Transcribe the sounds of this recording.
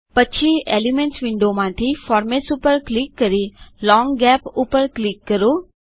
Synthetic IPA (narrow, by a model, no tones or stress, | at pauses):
pətːʃʰieːlimẽɳʈsʋɪ̃ɳɖomãːt̪ʰifɔːɾmeʈsupəɾklikːəɾilɔ̃ːŋɡɡɛːpʊpəɾklikːəɾoː